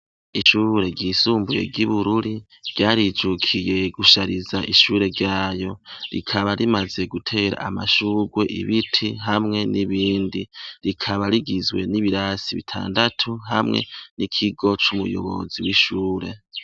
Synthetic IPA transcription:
iʃuːɾe̞ɟisuːmbuje̞̰ɡɟiβuɾuɾi | ɟ̥aːɾid͡ʒukʰije̞ɡuʃaɾizaʔiʃuːɾe̞ɾɟaːjo̞ɾḭkʰaβaɾimaze̞ɡutʰe̞ːɾa̰ːma̰ʃuːɡwe̞ʔḭβitʰiɦamŋe̞niβiːndiɾikʰaβaɾiɡizɡwe̞niβiɾasiβḭtʰa̰ːndatʰuɦamŋe̞̰nikʰiɡo̞t͡ʃumujo̰βo̞̰ziwiʃuːɾe̞

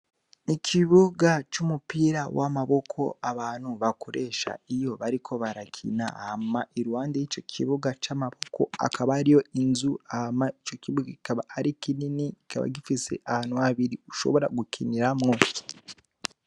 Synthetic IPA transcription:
icʰiβuɡat͡ʃumupiːɾawʔamaβo̞kʰo̞̰aβaːn̥huβakoɾe̞ːʃa̰ijo̞βaɾikʰo̞βaɾakʰḭnahamaiɾuwaːndejit͡ʃo̞cʰḭβuɡat͡ʃamaβo̞ko̞̰a̰kʰaβaːɾijo̞inzuahamait͡ʃo̞ciβuɡaɡikaβaaɾikininiɡika̰βa̰ɡifise̞̰ʔahaːnuaβiɾiuʃo̞̰βo̞ɾa̰ɡukʰiniɾamŋo

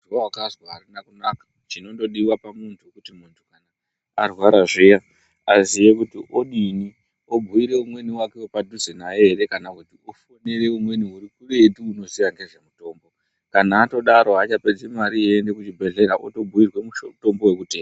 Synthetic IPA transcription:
wawakazwaarinakunakḁ | t͡ʃino̞ndo̞ɗiwapamuntʰuekutimuntʰukana | arwaɾaʐeja | azijekutiʔoɗini | obʱuiɾe̞umwe̞niwake̞wepadʱuzenaje̞ɦeɾe̞kanakutiofo̞ne̞ɾe̞umwe̞niuɾikuʋe̞tiuno̞ziʋaŋɡe̞ʐe̞muto̞ːmbo̞ | kanaːto̞ɗaɾo̞at͡ʃape̞d͡zemaɾijendekut͡ʃibʱe̞ɮe̞ɾaʔoto̞bʱuirwe̞muʃto̞mbo̞we̞kute̞ːma

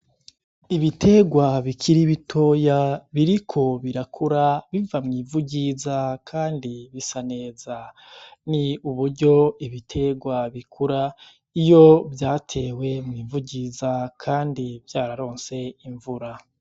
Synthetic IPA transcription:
iβitʰe̞ɡwaβikʰiɾiβitʰo̞ːjaβiɾikʰo̞βiɾakʰuɾaβivamŋiːvuɟizakʰaːndiβisane̞ːza | niuβuɾɟo̞iβitʰe̞ɡwaβikʰuɾa | ijo̞bjaːtʰe̞ːwe̞mŋiːvuɟizakʰaːndivjaːɾaɾo̞ːnse̞iɱvuɾa

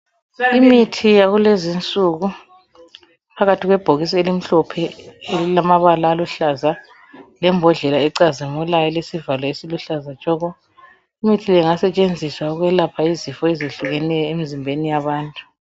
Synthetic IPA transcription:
imitʰijaɣulezint͡sʼuɣu | pʰaɣatʰiɣwɛb̥ʱoɣis̬ɔelim̩ɬɔpʰɛelilamaβalaːluɬaza | lɛmbʱɔɮɛlaɛǀazimulajɔlesivalɔesiluɬazḁt͡ʃʼɔɣɔ | imitʰilɛŋasɛt͡ʃʼend͡zʱiswauɣwɛlapʰaizifɔɛziɬuɣɛnɛjɔemizimbʱenijaβaːntʼu̥

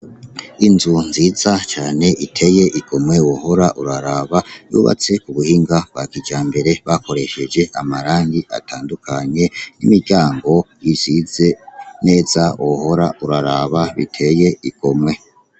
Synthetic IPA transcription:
inzunziːzat͡ʃaːne̞ʔitʰe̞je̞ʔiɡ̥o̞mŋwe̞woho̞ɾaʔuɾaɾaβajṵːβa̰t͡se̞kuβuhiːŋɡab̥̚ɡakid͡ʒaːmbe̞ɾe̞βako̞ɾe̞ʃe̞d͡ʒe̞ʔamaɾaːŋɡiʔa̰tʰaːndukʰaɲe̞nimiɾɟaːŋɡo̞jiz̥ize̞ne̞ːzawoho̞ɾa̰uɾaɾaβaβḭtʰe̞je̞iɡ̥o̞mŋe̞

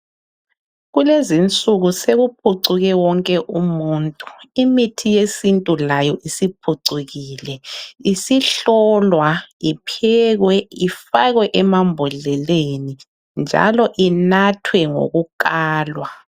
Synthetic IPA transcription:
ɣulezint͡sʼuɣuseɣup̚ʰuǀuɣɛwɔŋkʼɛʔumuːntʼu̥imitʰijesintʼulajɔʔisipʰuǀuɣiːlɛisiɬɔlwaipʰɛɣwɛifaɣwɛʔɛmambʱɔɮɛleni | nd͡ʒʱa̰lɔʔinatʰwɛŋo̰ɣuk̬ʼaːlwa

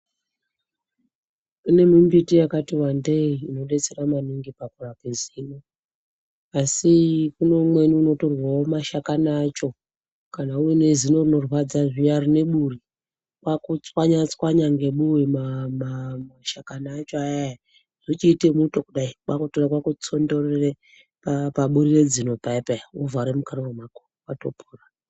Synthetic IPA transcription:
une̞mimbitijakatiwandeiːno̞ɗe̞t͡se̞ɾamaniŋɡipakurakeziːno | asikuno̞mwe̞niuno̞to̞rwaomaʃakanaːt͡ʃo̞ | kanaujene̞zino̞rino̞rwad͡zaʐijarine̞ɓuri | kwakut͡swaɲat͡swaɲaŋɡe̞ɓuwemamamaʃakanaːt͡ʃoajaja | ʐ̥it͡ʃiːtemutokuɗaikwakutorakwakut͡so̞ndo̞rere | papaɓuɾire̞d͡zino̞paipauvaɾemukaɾowomako | watopʰuːra

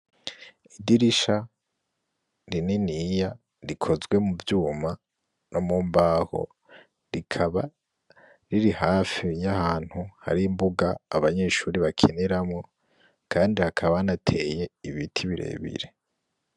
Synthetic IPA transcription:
idiɾiʃa | ɾininija | ɾikʰo̞zɡwe̞muvjuːma | nomuːmbaːho̞̰ | ɾikʰaβa | ɾiɾihaːfijahaːn̥huha̰ɾimbuɡaːβaɲe̞ːʃuːɾiβakʰeneɾamŋo̞ | kʰaːndihakʰaβanatʰe̞je̞iβitʰiβiɾḛːβḭɾe

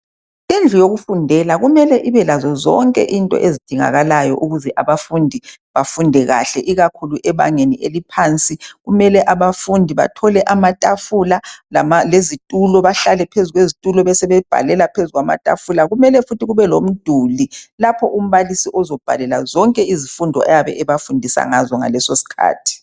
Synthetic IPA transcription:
end͡ɮʱujoɣufundʱɛlaɣumɛlɛʔiβɛlazɔzɔ̰ŋkʼɛ̰ʔintʼɔ̰ʔezid̥ʱiŋa̰ɣalajɔ̰ʔuɣuzɛʔaβafundʱiβafundʱɛɣa̰ɬɛʔiɣakʰuluʔɛβa̰ŋeniʔḛlipʰant͡sʼiɣumɛlɛʔaβafundʱiβa̰tʰɔlɛʔamatʼafulalamalezitʼulɔβaɬalɛpʰezuɣwezitʼulɔβɛsɛβɛb̥ʱa̰lɛlapʰezuɣwama̰tʼa̰fulaɣumɛlɛfutʰiɣuβɛlom̩d̥ʱulilapʰɔʔum̩βalisiʔɔzɔb̥ʱa̰lɛlazɔŋkʼɛizifundʱɔɛjaβɛʔɛβafundʱisa̰ŋazɔŋa̰lɛsosi̥kʰa̰ːtʰi̥

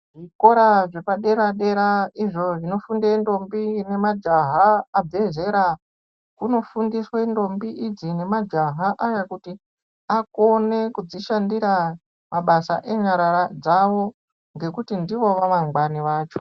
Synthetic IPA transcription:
ʐiko̞ɾaʐe̞paɗe̞ɾaɗeɾaiʐo̞ʐino̞fundendo̞mbine̞mad͡ʒaɦaːb͡ve̞ze̞ɾa | kuno̞fundiswendo̞mbiʔid͡zine̞mad͡ʒaɦaʔajakuti | ako̞ne̞kud͡ziʃandiɾa | mʔaɓasa̰ʔe̞ɲaɾaɾad͡zaʋo̞ | ŋɡe̞kutindiʋo̞ʋaʋaŋɡwaniʋaːt͡ʃo̥

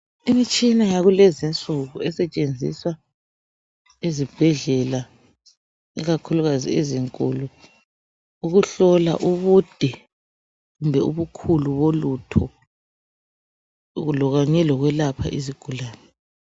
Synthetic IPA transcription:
imit͡ʃʼinajaɣulɛzint͡sʼuɣuɛsɛt͡ʃʼend͡zʱḭswa | ezib̥ʱɛɮɛla | iɣakʰuluɣazḭeziŋkʼṵlu | uɣuɬɔla̰ʔuβud̥ʱɛ | ɣumbʱɛuβukʰuluβolutʰɔ | ɣulɔɣaɲɛlɔɣwɛlapʰa̰ʔiziɡ̥ʱulaːnɛ

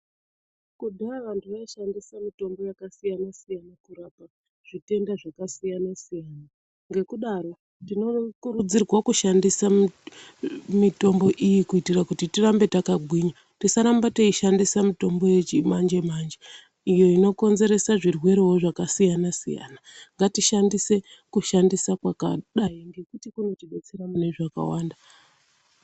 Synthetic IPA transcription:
kudʱaaʋantʰuʋaaʃandisamito̞mbo̞jakasijanasijanakuɾapa | ʐ̥ite̞ndaʐakasijanasijaːna | ŋɡe̞kuɗaɾo̞ | tino̞kurud͡zirwakuʃandisa | mito̞mbo̞ʔijikuitirakutitirambe̞takaɡʱwiɲa | tisaɾambateiʃandisamito̞mbo̞jet͡ʃimand͡ʒe̞mand͡ʒe | ijo̞ino̞ko̞nze̞ɾe̞saʐirwe̞ɾeɦoʐakasijanasija̰naŋɡatiʃandise̞kuʃandisakwakaɗaiŋɡe̞kutikuno̞tiɓet͡se̞ɾamune̞ʐaka̰waːnda

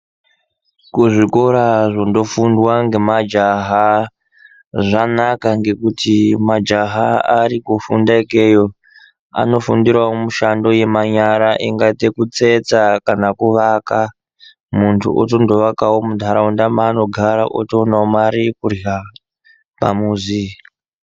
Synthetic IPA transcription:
kuʐiko̞ɾaʐo̞ndo̞fundwaŋɡe̞mad͡ʒaɦa | ʐanakaŋɡe̞kutimad͡ʒaɦaaɾikufundaeke̞jo̞ | a̰no̞fundirwaomuʃando̞je̞maɲaɾaʔiŋɡaitekut͡se̞t͡sakanakuʋaka | muntʰṵʔo̰t̬o̞ndo̞ʋakawomudʱaɾaundamaːno̞ɡʱaɾa̰ʔo̰toːnaomaɾikura | pa̰muːzi

